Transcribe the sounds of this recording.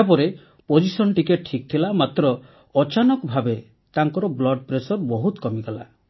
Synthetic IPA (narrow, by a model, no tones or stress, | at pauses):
apɔɾe | pod͡ʒisɔnʈikeʈʈʰik̚t̪ʰilamat̪ɾɔː | t͡ʃanɔkbʱabe | t̪aŋkɔɾɔblɔɖ̚pɾesɔɾbɔɦut̪kɔmiɡala